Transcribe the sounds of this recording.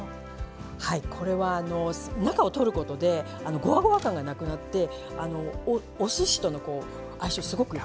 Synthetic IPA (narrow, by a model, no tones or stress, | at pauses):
haikʰo̞ɾe̞βaːno̞snakao̞t̪o̞ɾɯ̟ko̞t̪o̞d̪e̞ | ano̞ɡo̞aɡo̞βakãŋɡanakɯ̟nat̪ːe̞ | ano̞ː | sɨɕi̥t̪o̞no̞ko̞ː | aiɕisɨɡo̞kɯ̟i